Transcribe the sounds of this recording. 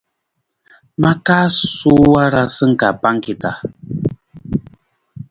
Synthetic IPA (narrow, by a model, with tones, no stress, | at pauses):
ma˦kaː˦su˦wa˦ɾa˦sɨ˦ŋ̩˨ka˨pa˦ŋ˦ki˨ta˨